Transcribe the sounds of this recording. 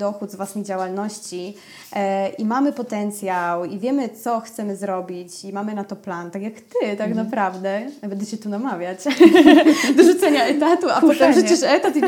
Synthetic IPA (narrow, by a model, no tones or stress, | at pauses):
d̪ɔxud̪zvwasnʲejd͡ʑawalnɔɕt͡ɕi | ʔimamɘpɔt̪ɛnt̪sʲjawivʲjɛmɘt̪sɔxt̪sɛmɘzɾɔbʲit͡ɕimamɘnat̪ɔplant̪akʲjakt̪ɘt̪aknapɾavd̪ɛnabɛnd̪ɛɕɛt̪unamavʲjat͡ɕ | d̪ɔʐut̪sɛɲaɛt̪at̪uapɔt̪ɛmʐɛt͡ɕɛʂɛt̪at̪i